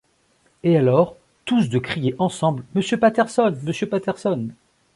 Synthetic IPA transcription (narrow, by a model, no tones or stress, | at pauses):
ealɔʁ | t̪usd̪əkχijeʔɑ̃sɑ̃blməsjøpat̪ɛʁsɔnməsjøpat̪ɛʁsɔn